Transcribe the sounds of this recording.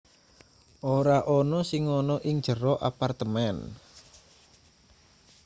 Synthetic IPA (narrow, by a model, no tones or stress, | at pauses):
ʔoɾaʔɔnɔsɪŋːɔnɔʔɪŋd̥ʒ̥əɾɔʔa̰part̪əmɛn